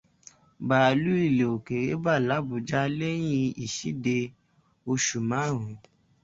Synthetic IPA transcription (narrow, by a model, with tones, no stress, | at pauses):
ba˨lu˦i˦˨le˨o˨ke˨ɾe˨˦ba˦˨la˨˦bu˨˦d͡ʒa˦le˦j̃ĩ˦˧i˨ʃi˨˦de˧ | o˧ʃu˨mã˨˦˨ɾ̃ũ˨˦